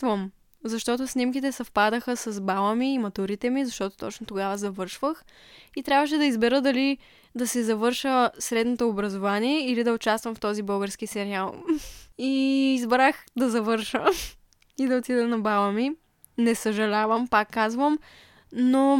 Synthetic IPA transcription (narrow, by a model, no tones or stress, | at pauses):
t̪vəm | zɐʃt̪ɔt̪ʊsnimkit̪ɛsɐfpad̪əxəsɐzbalˠəmiːmɐt̪uɾit̪ɛmizɐʃt̪ɔt̪o̥t̪ɔt͡ʃnot̪oɡavəzɐvɤɾʃvəx | it̪ɾʲabvəʃ̬ɛd̪ɐizbɛɾəd̪ɐli | d̪ɐsɛzɐvɤɾʃəsɾɛd̪not̪oːbɾɐzovaniɛilid̪ɐot͡ʃast̪vɐmft̪ɔzibɤlˠɡəɾskisɛɾialˠiːzbɾaxd̪ɐzɐvɤɾʃə | id̪ɐot̪id̪ɛnɐbalˠəmi | nɛsəʒɐlʲavəmpakːazvəm | no